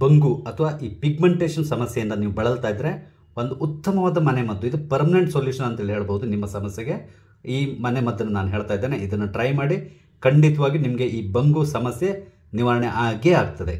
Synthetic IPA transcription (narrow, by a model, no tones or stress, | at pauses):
bɐŋɡuɐt̪ʰɐʋaːʔiːpiɡmeɳʈeːʂɐnsɐmɐsjejind̪ɐniːʋubɐɭɐlt̪aːjd̪ːɐɾe̞ | o̞nd̪uʔːt̪ːɐmɐʋaːd̪ɐmɐnemɐd̪ːuid̪upɐɾmɐneɳʈsoljuːʂɐnɐnt̪ɐɦeːliɦeːɭbɐɦud̪unimːɐsɐmɐsjeɡe̞ | iːmɐnemɐd̪ːɐnːunaːnuɦe̞ːɭt̪aːjd̪ːeːneid̪ɐnːuʈɾɐjmaːɽi | kɐɳɖit̪ɐʋaːɡinimɐɡe̞ʔiːbɐŋɡusɐmɐsje | niʋaːɾɐɳɛʔaːɡeaːɡ̚t̪ɐd̪e̞